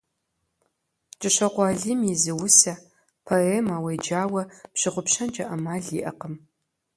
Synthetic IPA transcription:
t͡ʃʼɨɕɐqʷɑːɮimjizɨwʊsɐ | pʰɐeːmaːwejd͡ʒaːwɐpɕɪʁʷʊpɕɐnd͡ʒʼɐʔɐmaːɮḭːʔɐ̰qəm

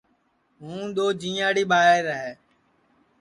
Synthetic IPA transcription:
ɦũːɗ̪oːd͡ʒĩːaːɽiːɓaːeːɾəɦeː

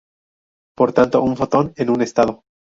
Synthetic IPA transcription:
po̞ɾt̪ant̪o̞ʔuɱfot̪o̞nenune̞st̪að̞o

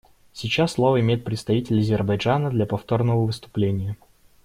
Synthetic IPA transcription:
sʲɪt͡ɕasːlˠo̞vəɪmʲejɪt̪̚pɾʲɪt̪st̪ɐvʲitʲɪlʲɐzʲɪrbɐjʐanəd̪lʲɐpɐft̪o̞rnəvəvɨst̪ʊ̥plʲenʲɪjə

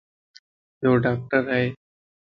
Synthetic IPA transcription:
joːɖaːk̚ʈəɾɦɛ

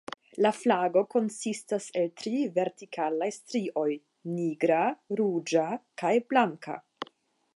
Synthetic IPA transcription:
laflaɡo̞ko̞nsistase̞ltɾive̞ɾtikʰalajstɾiʔo̞j | niɡɾaɾud͡ʒakajblaŋka̰

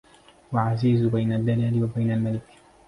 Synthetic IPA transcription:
waʕaziːzbajnad̪ːalaːlɪwabajnalmalɪk

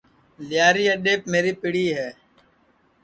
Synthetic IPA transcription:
lɪjaːɾiːəɗeːp̚meːɾiːpɪɽiːɦɛː

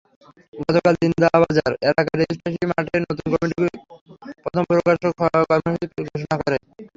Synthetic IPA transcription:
ɡɔt̪okald͡ʑind̪abad͡ʑaɾelakaɾespeʃimaʈʰeɾnot̪unkɔmiʈikepɾɔt̪ʰompɾokaɾʃokɔmiʃut̪ipɡʱoʃ̬onakɔɾe

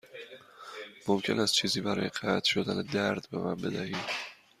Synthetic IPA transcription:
momcʰe̞næst̪t͡ʃʰiːziːbæɾɒ̰ːjeɢæt̪ʰʃod̪æned̪æɾd̪bemæmbe̞d̪æhiːd̪̥

